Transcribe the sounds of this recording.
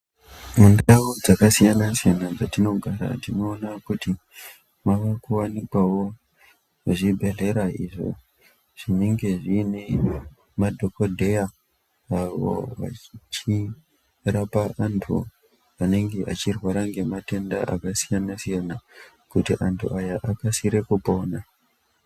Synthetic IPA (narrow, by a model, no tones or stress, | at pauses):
mundawod͡zakasijanasijanad͡zatino̞ɡʱaɾa̰tino̞ːnakuti | maʋakuwanikwawo̞ | aʐibʱe̞ɮe̞ɾaiʐo̞̰ | ʐ̥ineŋɡe̞ʐiːne | madʱo̞kodʱejaː | wo̰ʋa̰t͡ʃi | rapaʔantʰṵ | ane̞ŋɡe̞ʔat͡ʃirwaɾaŋɡe̞mate̞ndaʔakasijanasijana | kutiʔantʰuʔajaʔakasiɾe̞kupo̞ːna